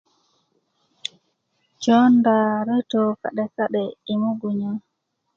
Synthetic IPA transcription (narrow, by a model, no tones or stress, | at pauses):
d͡ʒɔndaɾɛtɔka̰ɗɛsaɗɛimuɡuɲa